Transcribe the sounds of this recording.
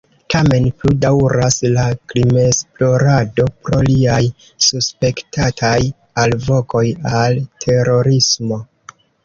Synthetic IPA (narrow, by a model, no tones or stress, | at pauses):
tame̞npludawɾaslaklime̞splo̞ɾado̞pɾo̞liaj | suspe̞ktatʰaj | alvo̞ko̞jaltʰe̞ɾo̞ɾismo̞